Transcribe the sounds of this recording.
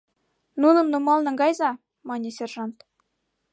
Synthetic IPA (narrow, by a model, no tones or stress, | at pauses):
nunɤ̆mnumɑlˠnɤ̆ŋɡɑjzɑ | mɑnʲesʲerʐɑnt̪